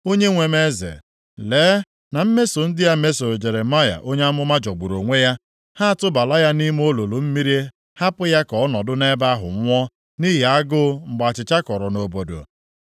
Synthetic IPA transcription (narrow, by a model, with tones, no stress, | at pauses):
o˦ɲe˦ŋʷe˨me˦zḛ˨ | leː˨˦ | na˨m̩˦me˦so˨n̩˦dɪ˦ja˦me˦so˨ɾd͡ʒe˨ɾe˨ma˦ja̰˨ʔo˦ɲe˦a˦mʊ˦ma˦d͡ʒɔ˨ɡ͡bu˨ɾo˨ŋʷe˦ja˦ | ha˦a˨tʊ˦ba˨la˦ja˦ni˦m˦o˦lo˨lo˨m̩˦mi˦ɾi˦e˦ | ha˦pʊ˦ja˦kɔ˨˦nɔ˨dʊ˦ne˦ba˦ɦʊ̰˨ŋ̩ʷ˦ɔ˦ | ni˦ɦi˨a˦ɡʊ˦ŋ͡m̩˨ɡ͡ba˨t͡ʃɪ˨t͡ʃa˦kɔ˨ɾɔ˨no˨bo˨do̰˨